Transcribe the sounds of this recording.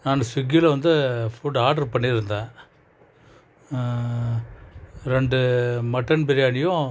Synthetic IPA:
naːnɐsʊɡɪlɐʋɐnd̪ɯfʊɖaːɾɖɐɾpɐɳːiɾɯnd̪ẽː | ɾɛɳɖɯmɐʈːɐnbɛɾɪjaːnɪjʊ̃

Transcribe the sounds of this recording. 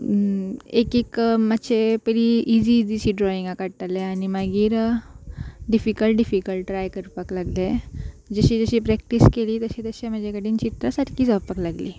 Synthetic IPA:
ekikməɕepəɾiʔid͡ziːd͡ziɕiːɖɾɔiŋɡakaɽt̪aleaɽ̃imaɡiːɾ | ɖifikəlʈɖifikəlʈːɾajkəɾpəklaɡle | d͡zəɕiːd͡zəɕiːpɾɛk̚ʈiskeliːt̪əɕiːt̪əɕem̤əd͡ʑekəɽiːnt͡ɕit̪ɾasaʈkiːd͡zapəklaɡliː

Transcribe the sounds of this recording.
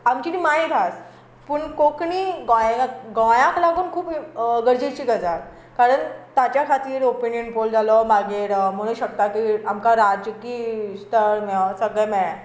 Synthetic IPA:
amt͡ɕinimaɦit̪ʰas | puɳkokɳiɡɔjãɡɔ̃jãklaɡuːnkʰuːpɡəɾd͡ʑit͡ɕiɡəd͡zat | kaɾəɳt̪at͡ɕjakʰat̪iːɾopinjənpold͡zalɔmaɡeɾməɽ̃uɕəkt̪akiamkaɾad͡ʒjukist̪əɾmɛsəɡəjmɛ̃

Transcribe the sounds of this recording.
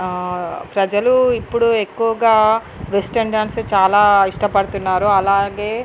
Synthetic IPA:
pɾɐd͡ʒɐluipːuɽue̞kːuʋɐɡaː | ʋesʈeɳɖaːnst͡ʃaːlaːiʂʈɐpɐɽut̪unːaːɾuɐlaːɡe̞ː

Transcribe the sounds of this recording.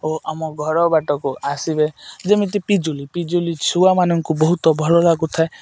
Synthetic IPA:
ɦoʔamɔɡʱɔɾɔbaʈɔkuʔasibed͡ʒemit̪̬ipid͡ʒulipid͡ʒulit͡ʃʰuwamanɔŋkubɔɦut̪ɔbʱɔɭɔlaɡut̪ʰae

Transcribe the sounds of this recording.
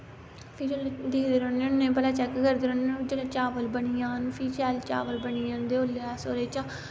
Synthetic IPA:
pʰɪɾd̪eːd̪eːɾoːnːẽːʊnːẽːpəlaːt͡ʃɛkkəɾd̪eːɾoːned͡ʒelãt͡ʃaːʋəlbəɳijãːnpʰiːt͡ʃɛːlt͡ʃa̰ːʋəlbənijãːnd̪eːoːlːaːsoːɾeːt͡ʃaː

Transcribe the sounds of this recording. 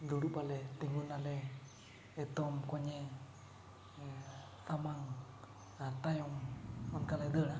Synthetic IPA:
duɽupalɛt̪iŋunalɛ | et̪ɔmkɔɲe | samaŋ | at̪ajɔŋːɔnkaled̪əna

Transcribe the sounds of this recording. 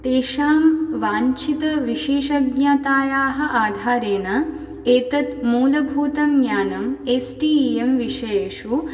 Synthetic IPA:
t̪eːʃaːmʋaːɲt͡ʃit̪ɐʋiʃeːʃɐɡɲaːt̪aːjaːɦɐ̆ʔaːd̪ʱaːɾeːnɐ | eːt̪ɐt̪muːlɐbʱuːt̪ɐmɡjaːnɐmesʈiːemʋiʃeeːʂu

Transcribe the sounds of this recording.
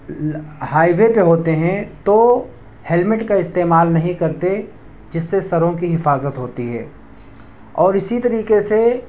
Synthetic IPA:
ɦaːiʋepeɦoːt̪eɦɛ̃t̪o | hɛlmɪʈkaɪst̪eːmaːlnɐɦĩkɐɾt̪e | d͡ʒɪsːesɐɾõkiɦɪfaːzət̪ɦoːt̪iɦɛ̰ː | ɔːɾɪsit̪ɐɾiːkese

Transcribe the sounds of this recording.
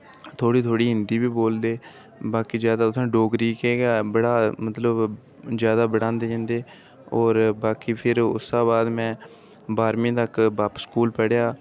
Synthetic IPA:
t̪ʰoːɽiːt̪ʰoːɽiːɦɪnd̪iːbiːboːld̪eː | baːkiːzjaːd̪aːʊsʰãːɖoːɡɾiːkeːɡaːbəɽaːmət̪ləb | zjaːd̪aːbəɽãːnd̪eːɦə̃nd̪eː | ɔːɾbaːkiːpʰɪɾʊ̰sːaːbaːd̪mɛ̃ː | baːɾmẽːt̪əkbaːpskuːlpəɽjaː

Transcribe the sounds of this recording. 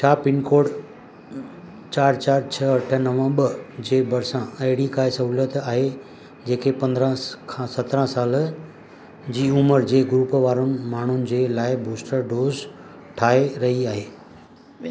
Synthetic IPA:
t͡ɕʰaːpɪnkoːɖ | t͡ɕaːɾt͡ɕaːɾt͡ɕʰɐɐʈʰə̆nɐʋə̃ɓəd͡ʑeːbɐɾsãɐɦɪɽikaːɪsɐɦuːlət̪aːɦe | d͡ʑeːkʰepɐ̃nd̪ɾə̃kʰãːsɐt̪ɾə̃saːl | d͡ʑiːuməɾd͡ʑeːɡʊɾuːpʋaːɾʊnɪ̆maːɳ̤ʊnɪ̆d͡ʑeːlaːɪbuːsʈəɾɖoːz | ʈʰaːeɾɐɦiaːɦeː

